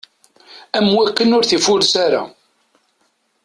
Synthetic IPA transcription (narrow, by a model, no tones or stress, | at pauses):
æmwækːənʊɾθifʊɾsaɾa̰